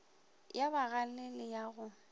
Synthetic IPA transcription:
jabaɣalelɪjaɣʊ

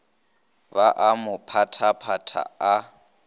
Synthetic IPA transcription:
baʔamʊpʰatʰapʰatʰa̰a

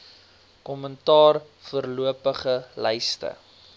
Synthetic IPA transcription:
kɔməntɑːr | fərluəpəχəlɛjstə̰

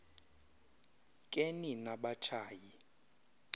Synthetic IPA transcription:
kʼeninaɓat͡ʃʰaːji

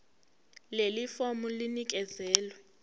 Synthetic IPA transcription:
lelifɔmulinik̬ʼɛzɛːlwɛ

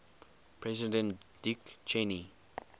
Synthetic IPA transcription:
pʰɹɛzidɛ̃nd̥ikt͡ʃʰeni

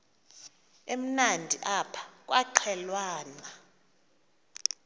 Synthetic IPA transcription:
em̩nandʱiʔapʰḁk̬ʼwʔaǃʰɛlwaːna

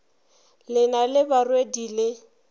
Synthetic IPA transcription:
lɪnalɪbarwedilɪ

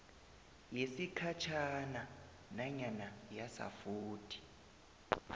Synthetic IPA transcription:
jesikʰat͡ʃʰana | naɲanajasa̰fuːtʰi̥

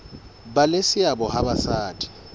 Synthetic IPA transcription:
balesɪabɔɦabasaːtʼi̥

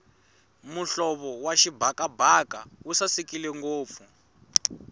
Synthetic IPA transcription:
muɬɔβɔwaʃibʱakabʱakausasikilɛŋɡoːp̪fu

